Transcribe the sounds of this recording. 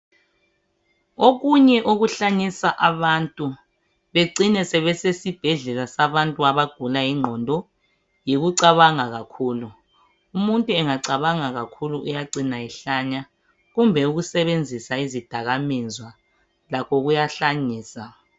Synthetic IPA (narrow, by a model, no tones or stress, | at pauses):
oɣuɲɛʔoɣuɬaɲisaʔaβantʼu | βeǀinɛsɛβɛsesib̥ʱɛɮɛlasaβantʼuaβaɡ̥ʱulajiŋ͡ǃʱɔndʱɔ | jeɣuǀaβaŋaɣakʰuːlu | umuntʼuɛŋaǀaβaŋaɣakʰuluʔujaǀinaɛɬaɲa | ɣumbʱɛuɣusɛβend͡zʱisaizid̥ʱaɣamizwa | lakʰɔɣujaɬaɲiːsa